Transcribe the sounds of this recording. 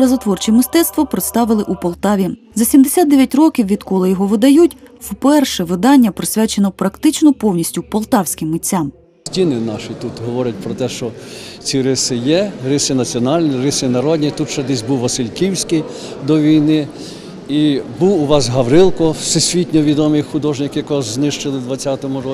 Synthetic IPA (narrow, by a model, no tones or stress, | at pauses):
ɾɐzɐt̪ʋɔrt͡ʃimɪst̪ɛt̪st̪ʋɔpɾɪt̪st̪ɑʋɪlˠɪʔupɔlˠt̪ɑʋʲi | zɐsʲimd̪esʲad̪d̪ɛʋʲjɐtʲrɔkʲiwʋʲid̪kɔlˠɪjɔɦɔʋɪd̪ɐjutʲwpɛrʃɛʋɪd̪ɑnʲːɐpɾɔsʲʋʲat͡ʃenɔpɾɐkt̪ɪt͡ʃnɔpɔwnʲisʲtʲʊpɔlˠt̪ɑwsʲkɪmːɪt͡sʲːam | sʲtʲinɪnɑʃit̪ut̪ɦɔʋɔɾʲɐt̚ʲpɾɔt̪ɛʃt͡ʃɔt͡sʲiɾɪsɪjɛrɪsɪnɐt͡sʲiɔnɑlʲnʲirɪsɪnɐɾɔd̪ʲnʲit̪ut̪t͡ʃɛd̪ɪs̬ʲbuwʋɐsɪlʲkʲiwsʲki | d̪ɔʋʲijnɪ | ibuwʊʋɑsɦɐʋɾɪlˠkɔsɪsʲʋʲitʲnʲɔʋʲid̪ɔmijxʊd̪ɔʒnɪkɪjɐkɔʒznɪʃt͡ʃɪlˠɪd̪ʋɐt͡sʲːɑt̪ɔmʊɾɔ